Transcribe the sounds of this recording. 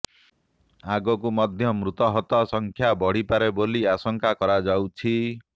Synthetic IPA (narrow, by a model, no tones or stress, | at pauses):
aɡɔkumɔd̪ʱjɔmɾut̪ɔɦɔt̪ɔsɔŋkʰjabɔɽ̤ipaɾeboliasɔŋkakɔɾad͡ʒawt͡ʃʰi